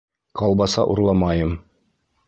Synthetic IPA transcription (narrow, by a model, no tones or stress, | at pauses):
qɑlˠbɑsɑ̰ʔuɾlˠɑmɑjɤm